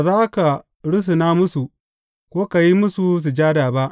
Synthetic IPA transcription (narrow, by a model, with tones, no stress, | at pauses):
a˨zaː˦ka˨ | ɽʊ˦s̬i˨naː˦mʊ˦su˨ | kʷoː˦ka˨ji˦mʊ˦su˨s̬u˨d͡ʒaː˦daː˨ba˦ʔ